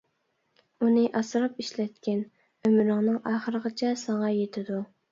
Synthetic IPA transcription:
unɨʔɑsɾɑpiʃlɛt̪kʲɛn | ømɾɨŋnɨŋʔɑːχəɾəʁɑt͡ʃʰɛsɑŋɑjet̪ʰɪd̪u

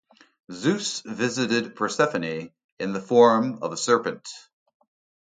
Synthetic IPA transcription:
zʉsvɪzɨɾɨd̚pʰɹ̥ə˞sɛfɨni | ɨ̃nðəfɔɹ̃mʌ̰vəsɜ˞pɨ̃nt

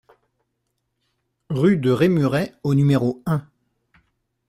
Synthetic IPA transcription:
ʁyd̪əʁemyʁɛonymeʁoɛ̃

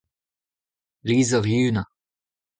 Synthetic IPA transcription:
liːzəʁjyːna

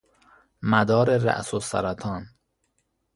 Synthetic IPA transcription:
mæd̪ɒːɾeɾæ̰ʔsosæ̰ɾæt̪ʰɒːn

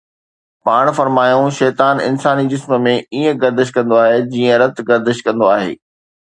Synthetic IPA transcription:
paːɽ̃fɐɾmaːjõʃɛːt̪aːnɪ̰nsaːnid͡ʑɪsmə̆mẽiːə̃ɡɐɾd̪ɪʃ̬kɐ̃nd̪oaːɦeːd͡ʑiːə̃ɾɐt̪ɡɐɾd̪ɪʃkɐ̃nd̪oaːɦḛː

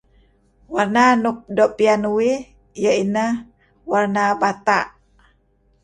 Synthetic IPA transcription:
warnanup̚dɔʔpianuwi | jəinəh | warnabat̪aʔ

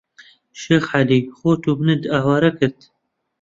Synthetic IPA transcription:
ʃeːxħaliːxoːt̪ʰuːbnɨd̪ɑːwɑːɾɐkɨɾt̪

